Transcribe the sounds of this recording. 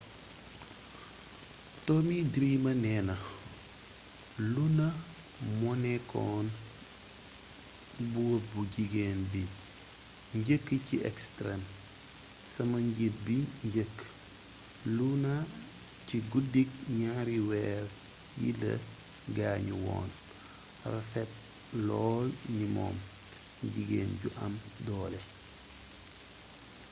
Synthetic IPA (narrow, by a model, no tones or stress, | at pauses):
tɔmidɾiːmɐnɛːnɐ | lunɐ | mɔnɛkʰɔ̰ːn | buwobuɟiɡeːnbi | ɲɟəkːəciʔɛ̰kstɾɛm | sɐmɐɲɟit̚biɲɟəkː | luna | ciɡudik̚ɲaɾiwɛːɾ | jḭlɐ̰ | ɡaːɲuwɔ̰ːn | rɐfɛt̚ | lɔːlnimɔ̰ːm | ɟiɡeːnɟuʔɐmdɔːlɛ